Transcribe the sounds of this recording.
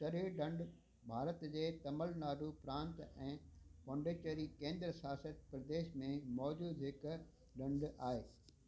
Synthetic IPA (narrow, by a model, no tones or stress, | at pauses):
ʈɐɾiɖɐ̃ɳɖ | bʱaːɾət̪d͡ʑeːt̪ɐməlnaːɾupɾãːnt̪ɛ̃ːpɐ̃ːɳɖeːt͡ɕəɾikẽːnd̪ɾəsjaːsət̪pɾɐd̪eːʃmẽmɔːd͡ʑuːd̪ɦɪk | ɖɐ̃ɳɖaːɦeː